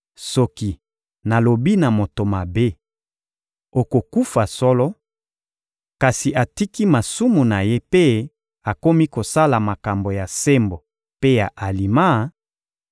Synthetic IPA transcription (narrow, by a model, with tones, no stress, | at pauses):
sɔ˦ki˨ | na˨lo˨bi˦na˨mo˨to˨ma˨be˦ | o˨ko˨ku˦fa˨sɔ˦lɔ˦ | ka˨si˨ʔa˨ti˦ki˦ma˨su˦mu˨na˨je˦pe˦ | a˨ko˦mi˦ko˨sa˦la˨ma˨ka˨mbo˨ja˨se˦mbo˨ | pe˦ja˨ʔa˨li˨ma˦